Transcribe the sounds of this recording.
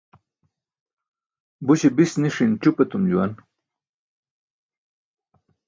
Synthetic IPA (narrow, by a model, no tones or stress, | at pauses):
buɕibisniʂint͡ɕupet̪umd͡ʑuwan